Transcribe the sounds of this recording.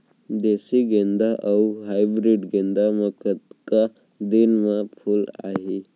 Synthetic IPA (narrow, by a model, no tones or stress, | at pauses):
d̪esiɡẽnd̪aʔawɦajbɾiɖɡẽnd̪aməkət̪ka | d̪inmãpʰula̰ɦi